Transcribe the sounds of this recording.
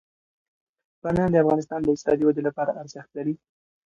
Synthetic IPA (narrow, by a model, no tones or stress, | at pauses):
banand̪əafɣɑnɪs̬t̪ɑnd̪əɪt̪sɑd̪iwad̪elapɑɾaʔaɾzaxt̪laɾi